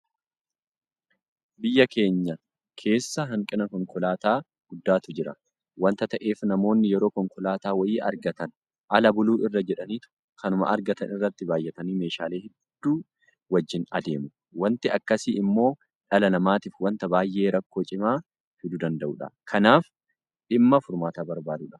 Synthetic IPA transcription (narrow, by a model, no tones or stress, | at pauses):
bɪjːɐke̞ːɲːɐ | kʰe̞ːsːɐɦɐŋkʼɪnɐkɔŋkɔlaːt̪aː | ɡ̥ʊd̪ːaːt̪ʊd͡ʒɪɾɐ̰ | wɐnt̪ɐt̪ɐʔe̞ːfnɐmo̞ːnːɪjɛɾoːkɔŋkʊlaːt̪aːwɐjiːʔɐ̰ɾɡɐt̪ɐn | ʔɐlɐbʊluːʔɪrːɐd͡ʒɛᶑɐniːt̪ʊ̥ | kʰɐnʊmɐ̰ʔɐɾɡɐt̪ɐnɪrːɐt̪ːɪbaːjːɛt̪ɐniːme̞ːʃaːle̞ːhɛd̪̥ːuː | wɐd͡ʒːɪnɐ̰d̪e̞ːmʊ | wɐnt̪ɪɐkːɐsiːɪmːo̞ː | ᶑɐlɐnɐmaːt̪ifwɐnt̪ɐbaːjːʔe̞ːɾɐkːo̞ːt͡ʃʼɪmaː | hɪd̪ud̪ɐnd̪ɐʔuːᶑɐ̰kʰɐnaːf | ᶑɪmːɐfʊɾmaːt̪aːbɐɾbaːd̪uᶑɐ̥